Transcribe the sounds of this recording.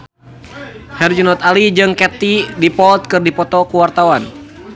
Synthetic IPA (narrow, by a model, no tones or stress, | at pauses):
hɛrd͡ʒunɔt̪alid͡ʒɨŋkɛt̪idipɔlt̪̚kɨrdipɔt̪ɔkuwart̪awan